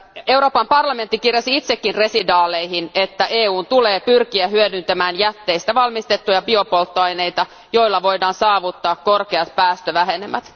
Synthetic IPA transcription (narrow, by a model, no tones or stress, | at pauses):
e̞wɾo̞ːpɑmpɑrlɑment̪ːikirjɑsiit̪sekːinre̞sidɑːle̞jhinet̪ːæʔeːuːnt̪uleːpyrkiæɦyødynt̪æmæːnjæt̪ːe̞jst̪æʋɑlmist̪e̞t̪ːujɑbio̞po̞lt̪ːoɑjne̞jt̪ɑ | jo̞jlːɑʋojdɑːnsɑːʋut̪ːɑːkkorkeɑt̪pæːst̪øʋæɦenemæ̰t̪